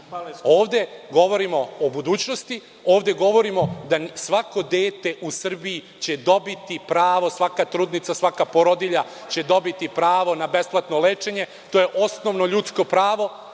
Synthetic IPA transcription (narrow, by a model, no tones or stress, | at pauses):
o̞ːʋd̪e̞ɡo̞ʋo̞ɾimo̞obud̪uːt͡ɕnost̪i | o̞ːʋd̪e̞ɡo̞ʋo̞ɾimo̞d̪asʋako̞d̪e̞ːt̪e̞ʔusr̩biː | t͡ɕe̞d̪o̞bit̪ipɾaːʋo̞sʋakat̪ɾuːd̪nit̪sasʋakapoɾod̪iʎa | t͡ɕe̞d̪o̞bit̪ipɾaːʋo̞nabe̞splˠat̪no̞le̞ːt͡ʃe̞ɲe̞ | t̪oːjeʔo̞sno̞ʋno̞ʎut̪sko̞pɾaːʋo̞